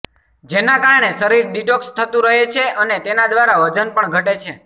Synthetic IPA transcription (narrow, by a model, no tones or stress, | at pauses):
d͡ʒenakaɾɳesəɾiɾɖiʈokst̪ʰət̪ũɾəɦet͡ʃʰeənet̪enad̪ʋaɾaʋəd͡ʒənpəɳɡʱəʈet͡ʃʰe